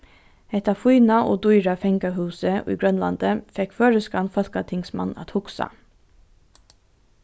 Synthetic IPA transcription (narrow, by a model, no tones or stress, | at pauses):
ɛt̪ɑfuɪnɑʔo̰ːd̪uʏɾɑfɛŋɡɑhʉːsəʔḭːɡɹœnlɑ̰nd̪̥əfɛkføːɹəskɑnfɔlkɑt̪ʰɪŋsmɑ̰nɑ̰t̪hʊksɑ̰